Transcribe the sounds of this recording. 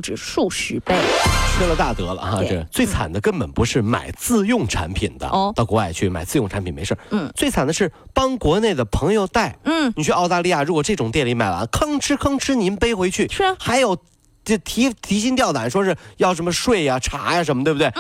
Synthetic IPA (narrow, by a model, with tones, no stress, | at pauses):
ʈ͡ʂɻ̩˨˩ʂu˥˩ɕy˨˩pe˥˩ɪtʰe˥lə˨˧t̪a˥˩t̪ɤ˧˥lə̰˧xa̰˥˧ʈ͡ʂə˥˩˧t͡swe˥˩ɪt͡sʰa̰˨˩nd̪ə˦kə˥npə˨˩npu˧˥ʂɻ̩˥˩ma̰˨˩ɪt͡sɹ̩˥˧jʊ˥˩ŋʈ͡ʂʰa̰˧˥npʰḭ˨˩nd̪ə̰˦˧t̪ɑ˥˩ʊkwɔ˧˥wa̰˥˩ɪt͡ɕʰy˥˩ma˨˩ɪt͡sɹ̩˥˧jʊ˥˩ŋʈ͡ʂʰa˧˥npʰi˨˩nme˧˥ʂə̰˥˩˥t͡swe˥˩ɪt͡sʰa˨˩nd̪ə˦ʂɻ̩˥˩ | pɑ˥ŋkwɔ˧˥ne˥˩ɪd̪ə˩pʰɤ˧˥ŋjo˧ʊt̪a˥˩ɪ˥˩ni˨˩t͡ɕʰy˥˧ʔɑ˥˧ʊt̪a˥˧li˥˧ja˥˩ɻu˧˥kwɔ˨˩ʈ͡ʂɤ˥˩ʈ͡ʂʊ˨˩ŋt̪jɛ˥˩nli˧˥ma˨˩a̰˧˥kʰɤ˥ŋʈ͡ʂʰɻ̩˥kʰɤ˥ŋʈ͡ʂʰɻ̩˥ni˧˥npe˥ɪxwe˧˥ɪt͡ɕʰy˥˩˥xa˧˥ɪjo˨˩ʊ˥˩ | t̪ʰi˧˥t̪ʰi˧˥ɕ̬i˥ŋt̪jɑ˥˩ʊt̪a˨˩˦nʂwɔ˥ʂɻ̩˥˧˩jɑ˥˩ʊʂ̬ə˧˥mə˧ʂwe˥˩ɪɐ˨ʈ͡ʂʰa̰˧˥ja˧ʂ̬ə˧˥nmə˧t̪we˥˧bt̪we˥˩ɪ